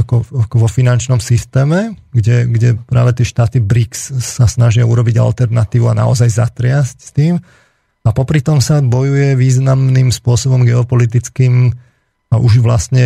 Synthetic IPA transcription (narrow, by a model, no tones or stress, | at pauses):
akɔakɔʋɔfinant͡ʃnɔmsist̪ɛːmɛɡɟɛɡɟɛpɾa̰ːʋɛt̪ɪɛʃt̪aːt̪ibɾiksːasnaʒɪauɾɔbiɟa̰lt̪ɛɾnat̪iːʋuana̰ɔzajza̰t̪ɾɪascst̪iːm | apɔpɾit̪ɔmsabɔjujɛʋiːznamnimspʊɔsɔbɔmɡɛɔpɔlit̪̬it͡skiːm | aʔuʒʋlast̪ɲɛ